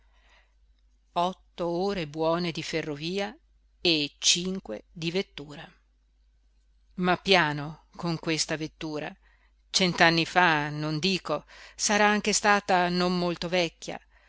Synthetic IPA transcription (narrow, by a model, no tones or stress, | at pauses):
ɔt̪ːooːɾebwɔːned̪iferːoviːa | et͡ʃiŋkwḛd̪ivet̪ːuːɾa | mapːjaːnokoŋkwest̪avet̪ːuːɾa̰ | t͡ʃɛnt̪anːifanond̪iːkosaɾaaŋk̟est̪aːt̪anommolt̪ovɛkːa̰